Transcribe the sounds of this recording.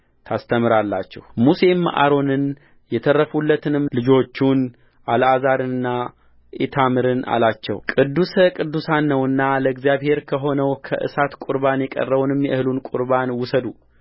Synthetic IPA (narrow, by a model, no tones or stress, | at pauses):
t̪ʰast̪ʰəmɨɾalːa̰t͡ʃːɛ̰hmuse̞mːʔa̰ɾo̞nɨn | jɛt̪ʰərːəfulːət̪ʰɨnɨmlɨd͡ʒo̞t͡ʃːun | ʔalazaɾɨnɨnːa | ʔet̪ʰamɨɾɨna̰lat͡ʃːɛ̰wkʼɨd̪ːuskʼɨd̪ːusanːəwɨnːaləɡzijaβhe̞ɾkʰəɦo̞nəwkʰə̰ʔɨ̰sat̪kʼuɾbanjɛkʼə̰rːəβunɨmjɛʔɨhɨlunkʼʊɾbanwʊsəd̪u